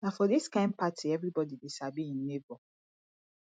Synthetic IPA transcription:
nafɔdiskãɪ̃npatʰiɛvɾibɔdidesabiĩn̩ːebɔ

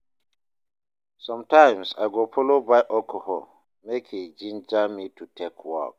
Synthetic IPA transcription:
sɔ̃mtãɪ̃msaɡofɔlobajʔɔkʰɔhɔ̰l | mekʰid͡ʒĩnd͡ʒamitutʰekʰwɔ̰k̚

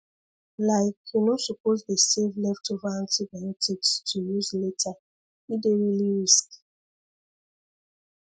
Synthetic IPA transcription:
laɪkunosupozdesevlɛftovãntibɛnetʰikstʰujuzletʰa | ideɹiliɹisk

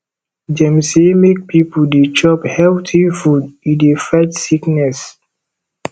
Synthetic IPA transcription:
d͡ʒɛ̃msemek̚pʰipudet͡ʃɔphɛltʰifudĩdefɛt͡ʃsiknɛs

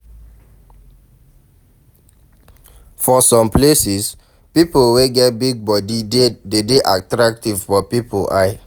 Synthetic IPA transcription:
fɔsɔ̃mplesis | pipolweɡɛt̚biɡ̚bɔdidedeʔatɹak̚tivfɔpipʰolʔaɪ

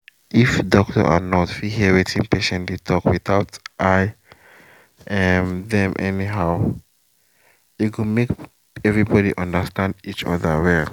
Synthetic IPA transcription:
ʔifdɔk̚tə̰ʔa̰nɔtfiɦiəwetʰĩŋpeʃɛ̃nlitʰɔkwiθaʊtʔaɪ | ɛmðɛ̃mʔɛniɦaʊ | jukũmek | ɛvɹibɔdiʔʌ̃ndəstãndit͡ʃɔ̰ðəwɛl

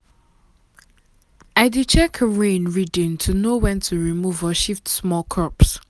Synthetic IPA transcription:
aɪdit͡ʃʰɛkʰəɹẽnɹidɪ̃ntʰunowɛ̃ntʰuɹimuvɔʃiftsmɔlkʰɔps

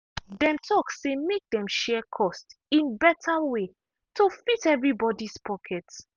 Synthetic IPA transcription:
dɛ̃mtʰɔksːemek̚dɛ̃mʃɛkʰɔstĩnbɛtʰawe | tʰofitɛvɹibɔdispʰɔkʰɛt

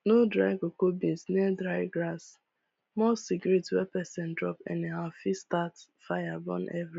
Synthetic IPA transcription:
nodɾaɪɡokobĩnsnɛdɾaɪɡɾas | mɔsikjɔɾitwɛpɛsɛ̃ndɾɔpɛ̰̃neɦafistat | fajabɔ̰̃nʔɛvɾi

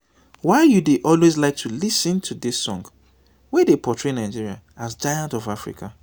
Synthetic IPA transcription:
waɪjudeʔɔlwezlaɪk̚tʰulisntʰudisːɔ̰̃ŋɡ | wɛdepʰɔtɹenaɪd͡ʒiɾia̰ | azd͡ʒajãntɔvafɹḭkʰa

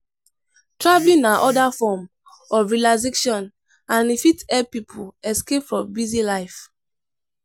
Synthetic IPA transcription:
tʰɹablĩnaʔɔdafɔm | ɔvɹilazikʃɔ̃n | ãnifitɛpipʰuɛskepfɹɔ̃mbizilaɪf

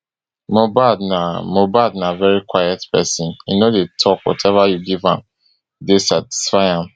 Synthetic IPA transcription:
mobadnamobadnavɛɹikwaɪjɛtpɛsĩninodetʰɔkwɔ̰tʰɛvajuɡivã̰m | desati̥sfaɪãm

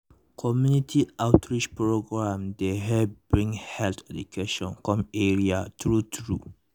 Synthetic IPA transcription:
kʰɔmjunitʰiaʊtʰɹid͡ʒpɹoɡɹãmdeɦɛb̥ɹĩŋhɛltɛdukʰeʃɔ̃nkɔ̃meɹiatɹutʰɹu

